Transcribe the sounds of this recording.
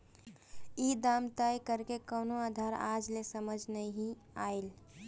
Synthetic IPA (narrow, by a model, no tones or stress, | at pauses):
iːd̪aːmt̪ajkəɾkekənoaːd̪ʱaːɾa̰ːd͡ʒlesəməd͡ʒʱnəĩɦĩ | aːel